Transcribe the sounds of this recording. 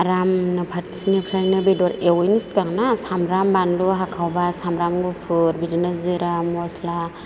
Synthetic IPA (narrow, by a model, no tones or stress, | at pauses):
aɾamnapʰatsinipʰɾajnɯbidɔɾewjniskaŋnasamɾambanluɦakʰawbasamɾamɡupʰuɾbidinaziɾamɔsla